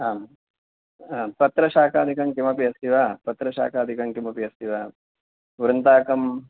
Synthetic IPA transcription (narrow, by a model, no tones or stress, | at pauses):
aːm | aːpɐt̪ɾɐʃaːkaːd̪ikɐmkimɐpiɐst̪iʋaːpɐt̪ɾɐʃa̰ːkaːd̪ʱikɐmkimɐpiɐst̪iʋaː | ʋuɾɐnt̪aːkɐm